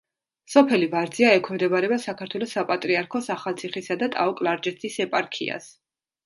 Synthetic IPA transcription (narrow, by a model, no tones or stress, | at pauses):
sɔpʰɛlivaɾd̪ziaɛkʰwɛmd̪ɛbaɾɛbasakʰaɾt̪ʰwɛlˠɔsapʼat̪ʼɾiaɾkʰɔsaχalˠt̪sʰiχisad̪at̪ʼa̰ɔkʼlˠaɾd͡ʒɛst̪ʰisɛpʼaɾkʰḭa̰s